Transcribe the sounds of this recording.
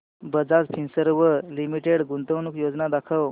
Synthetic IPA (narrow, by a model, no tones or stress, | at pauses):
bəd͡zad͡zpʰinsəɾʋəlimiʈeɽɡunt̪əʋnukjod͡znad̪akʰəw